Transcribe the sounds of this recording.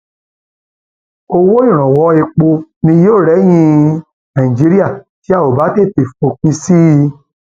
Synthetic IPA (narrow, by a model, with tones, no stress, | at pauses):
o˧wo˦ĩ˦˨ɾ̃ã˨wɔ˨˧e˧k͡po˧nĩ˧joː˦˨ɾɛ˨˦j̃ĩ˧ | nã˨ĩ˨d͡ʒi˨˦ɾi˦a˦˨ | ti˨˦a˦˨o˨ba˨˦te˦˨te˨fo˧˨k͡pĩ˦si˦˧